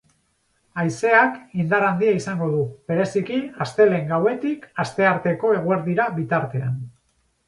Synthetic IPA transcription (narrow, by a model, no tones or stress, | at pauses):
ajse̞akind̪aɾand̪iaisaŋɡo̞ðuβe̞ɾe̞sikiast̪e̞le̞ŋɡawe̞t̪ikast̪e̞aɾt̪e̞ko̞e̞ɣueɾðiɾaβit̪aɾt̪e̞a̰n